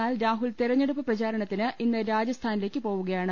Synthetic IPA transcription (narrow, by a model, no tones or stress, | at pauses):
aːlɾaːɦult̪iɾɐɲːeɽupːɐprɐt͡ɕaːɾɐɳɐt̪ːinɨʔinːɨɾaːd͡ʑɐst̪ʰaːnile̞ːkːɨpo̞ːʋuɣɐjaːɳɨ